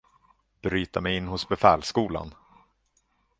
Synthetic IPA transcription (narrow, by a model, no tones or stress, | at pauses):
b̥ɾyːt̪amɛjɪnːɦʊsbɛfɛːlskuːla̰n